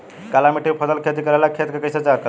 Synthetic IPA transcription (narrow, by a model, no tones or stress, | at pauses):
kalamiʈʰipʰəd̪əlkʰet̪̬ikəɾajlakʰet̪kəkəjsət͡sakə